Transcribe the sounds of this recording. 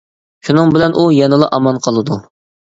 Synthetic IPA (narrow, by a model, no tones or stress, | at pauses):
ʃunɨŋbɪlɛnʔujɑnɨlˠɑʔɑmɑnqʰɑlˠɨd̪u